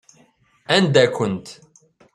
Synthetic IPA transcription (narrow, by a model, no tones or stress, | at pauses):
ænd̪ækʷənt̪